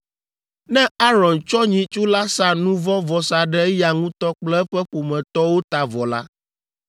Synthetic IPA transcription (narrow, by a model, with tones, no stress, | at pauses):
nɛ̃˦a˦ɾɔ˨nt͡ʃɔ˦ɲĩ˨t͡ʃu˦la˦sa˨nũ˦vɔ˦vɔ˨sa˨ɖɛ˦ja˨ŋũ˦t̪ɔ˦k͡plɛ˦ɛ˦ɸɛ˦ɸo˨mɛ̃˨t̪ɔ˦wo˦t̪a˨vɔ˨la̰˦